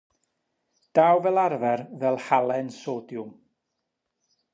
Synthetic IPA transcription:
d̥aːwvɛlˠarvɛrvɛlˠhalˠɛnsoːdjʊm

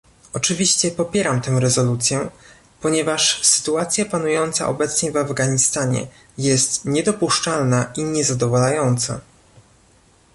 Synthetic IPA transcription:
ɔt͡ʂɘvʲiɕt͡ɕɛpɔpʲjɛɾamt̪ɛ̃w̃ɾɛzɔlut̪sʲjɛ | pɔɲɛvaʂsɘ̥t̪uat̪sʲjapanujɔnt̪sa̰ʔɔ̰bɛt̪sɲɛvavɡaɲist̪aɲɛ̰ | jɛst̪ɲɛd̪ɔpuʂt͡ʂalnaʔiɲɛzad̪ɔvalajɔnt̪sa̰

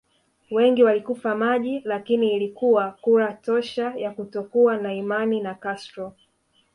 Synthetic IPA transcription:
wɛŋɡiwalikufamaʄilakiniːlikuwakuɾatɔʃajakutɔkuanaimaninakastɾɔ

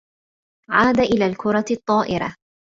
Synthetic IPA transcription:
ʕaːd̪aʔɪlaːlkʊɾˤɑt̪ˤːɑːʔɪɾa̰

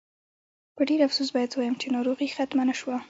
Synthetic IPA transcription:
pəɖeɾafsusbɑjad̪wajəmt͡ʃenɑɾoɣixat̪manəʃwa

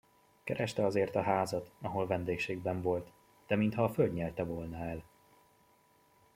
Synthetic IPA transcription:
kɛɾɛʃt̪ɛɒzeːrt̪ɒɦaːzɒt̪ɒɦo̞lvɛnd̪eːkʃeːɡbɛɱvo̞lt̪ | d̪̥ɛmint̪hɒːfølɟɲɛlt̪ɛvolnɒɛl

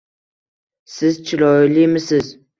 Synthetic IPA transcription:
sɪzt͡ʃʰɪlɒilimɪsɪz

